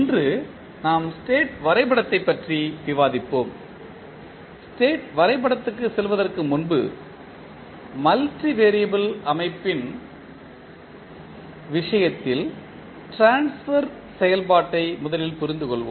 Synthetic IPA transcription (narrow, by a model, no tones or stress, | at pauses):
ndrɯ | naːmsʈeːʈʋɐɾɐɪpɐɽɐt̪ːɐɪpːɐʈriʋɪʋaːðɪpːoːm | sʈeːʈʋɐɾɐɪpɐɽɐt̪ːɯkːɯsɛlʋɐðɐrkɯmʊnbɯ̰ | mɐlʈriʋeːɾijɐbɯlɐmɐɪpːɪn | ʋɪʂɐjɐt̪ːɪl | ʈɾaːnsfɐɾ | sɛjɐlpaːʈːɐɪmʊðɐlɪlpʊɾɪnd̪ɯkɔɭʋo̰ː